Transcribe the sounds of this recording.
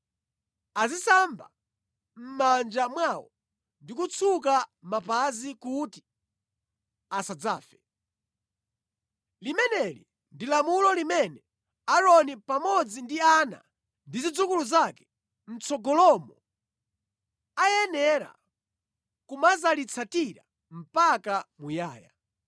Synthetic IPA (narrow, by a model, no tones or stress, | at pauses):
azisamba̰ | m̩mand͡ʒamwawɔ | ndikut͡sʰukamapazikuti̥ | asad͡za̰ːfɛ | limɛnɛlḭ | ndilamulɔlimɛnɛ | aɾɔnipamɔd͡zindiana̰ | ndizid͡zukuluzakɛ̥ | n̩t͡sʰɔɡɔlɔmɔ | ajɛnɛɾa̰ | kumazalit͡sʰatiɾa̰ | m̩pakamujaːja̰